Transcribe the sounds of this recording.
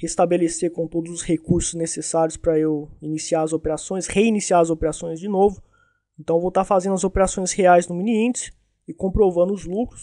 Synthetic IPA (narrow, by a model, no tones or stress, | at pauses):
hest̪abeleseɾkõt̪od̪ʊzʊshekuɾsʊznesesaɾjʊspɾɐewinisiaɾɐzopeɾasõj̃sheinisiaɾɐzopeɾasõj̃zd͡ʒɪnovʊ | ẽnt̪ɐ̃w̃vowt̪aɾfazẽnd̪ɐzopeɾasõj̃sheajznʊmĩniĩt͡ʃɪ̥ | ɪkõpɾovɐ̃nd̪ʊʊzlukɾʊs